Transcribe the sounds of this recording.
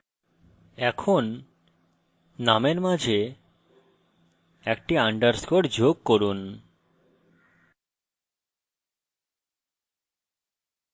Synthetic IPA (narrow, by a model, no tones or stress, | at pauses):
ɛkʰon | ameɾmad͡ʑʱe | ɛk̚ʈiaɳɖəɾskoʈd͡ʑoɡ̚koɾun